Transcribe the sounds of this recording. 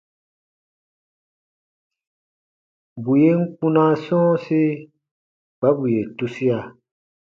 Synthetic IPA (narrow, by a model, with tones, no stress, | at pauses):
bu˨je˦ŋ̩˦k͡pũ˦nã˦sɔ̃ː˦se˦ | b̥a˨˦bu˨je˨tu˦si˦a˨